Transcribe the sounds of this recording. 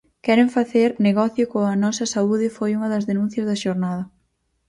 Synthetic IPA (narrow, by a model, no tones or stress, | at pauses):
kɛɾeɱfaθeɾneɣɔθjʊkoŋɐnɔsɐsauðɪfojuŋɐðɐzðenũn̟θjɐzðɐʃoɾnaðɐ